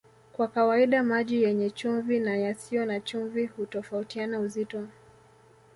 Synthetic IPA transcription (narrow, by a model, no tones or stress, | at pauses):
kwakawaiɗamaʄijɛɲɛt͡ʃuɱvinajasijɔnat͡ʃuɱvihutɔfautianauzitɔ